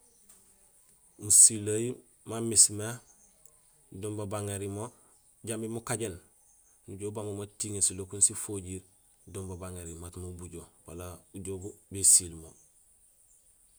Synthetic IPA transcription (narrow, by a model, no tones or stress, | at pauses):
musilaji | mamisme | doːmbabaŋeɾimo | ɟambimukaɟen | nuɟoːbamomotiŋesilokunsifoɟiːɾ | doːmbabaŋeɾimatmobuɟowalauɟobubesilmo